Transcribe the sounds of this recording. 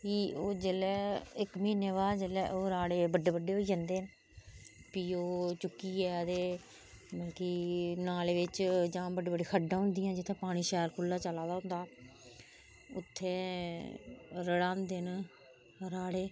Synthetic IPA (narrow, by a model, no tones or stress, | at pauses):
kiːoːd͡ʒelɛːɪkmiːneːʋaːd͡ʒəlɛːʔoːɾaːɽeːbəɖːeːbəɖːeːɦoːiːd͡ʒãːnd̪eːn | piːoːt͡ʃʊkːiːɛːd̪eː | məːkiːnaːleːʋɪt͡ʃd͡ʒãːbəɖeːbəɖiːkʰəɖãːɦʊnd̪ijãːd͡ʒɪt̪ʰːẽːpaːɽ̃iːʃɛːɾkʰʊlːaːt͡ʃəlaːd̪aːɦʊ̃nd̪aː | ʊt̪ʰːeː | ɾəɽãːnd̪en | ɾaːɽeː